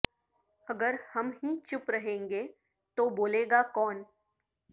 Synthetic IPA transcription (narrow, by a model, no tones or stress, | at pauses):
ɐɡəɾhɐmɦĩt͡ʃʊpɾɐɦẽːŋɡeː | t̪oboːleːɡakɔːn